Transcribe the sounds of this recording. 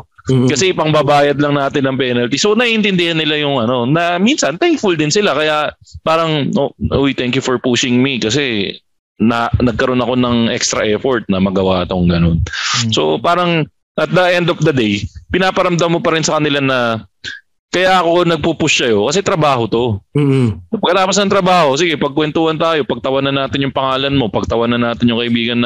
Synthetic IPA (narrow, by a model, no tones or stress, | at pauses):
kɐsɛʔpɐŋbabaːjɐd̪̚lɐŋnaːt̪ɪnːɐŋpɛnɐlt̪iso̞nɐʔiʔɪnt̪ɪnd̪ɪhanːɪlajʊŋɐno̞nɐminsɐnt̪ɛŋkfʊld̪ɪnsɪlakɐjapaːɾɐŋoʔojt̪ɛŋkjʊfɔɹpuʃɪŋmikɐs̬ɛ | nɐnɐɡ̚kɐɾo̞nɐko̞nɐŋʔɛ̰kst̪ɾɐʔɛɹfoɹt̪̚nɐmɐɡɐwat̪oŋɡɐno̞nso̞paːɾɐŋ | ʔɐt̪̚d̪ɐʔɛnd̪ɔfd̪ɐd̪ejpɪnaːpɐɾɐmd̪amːo̞pɐɾɪnsɐkɐnɪlanɐ | kɐjaʔɐko̞nɐɡ̚pupʊsːɐjo̞kɐsɛt̪ɾɐbaːɦo̞t̪o̞ | ɐpɐɡkɐt̪aːpos̬nɐŋt̪ɾɐbaːho̞siɡɛpɐɡ̚kwɛnt̪uhɐnt̪aːjo̞pɐɡ̚t̪ɐwɐnɐnːaːt̪ɪnjʊŋpɐŋaːlɐnmo̞pɐɡ̚t̪ɐwɐnɐnːaːt̪ɪnɲjʊŋkɐʔɪbiːɡɐnːɐ